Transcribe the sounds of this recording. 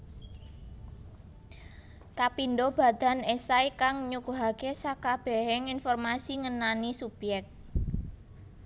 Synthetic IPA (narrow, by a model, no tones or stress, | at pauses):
kapindob̥a̤d̪̥a̤nesajkaŋɲukuɦakesakab̥ɛ̤ɦɛŋinfɔrmasiŋənanisub̥jɛk̚t̪̚